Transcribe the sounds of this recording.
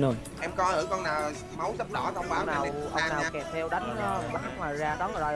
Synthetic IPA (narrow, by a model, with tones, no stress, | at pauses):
nu˧ | ʔɛ˧mkɔ˨˦ʔɨ˧˩˦kɔ˧naː˨˩w | ma˨˦wsə˦˥p̚ɗɔ˧˩˦kə˧wɓaː˨˦wnaː˨˩˨wʔʔə˧naː˨˧wkɛ˨˩p̚t̪ʰɛ˧wɗa˨˦jŋ˧ɓaː˨˦˥k̚ŋaː˨˩jzaː˧ɗɔ˨˦ŋɨ˨˩ɔ˨˩